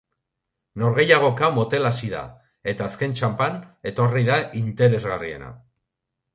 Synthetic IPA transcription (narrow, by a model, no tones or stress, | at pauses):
no̞ɾɣe̞jaɣ̞o̞kamo̞t̪e̞lasiða̰ | e̞t̪aːske̞nt͡ʃampane̞t̪o̞riðaʔint̪e̞ɾe̞zɣarie̞̰na̰